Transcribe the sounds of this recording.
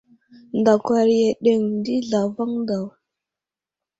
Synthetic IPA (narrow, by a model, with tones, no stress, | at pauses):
nda˨kwa˨ɾje˨ɗe˨ŋ˨di˦ɮa˨va˦ŋda˨w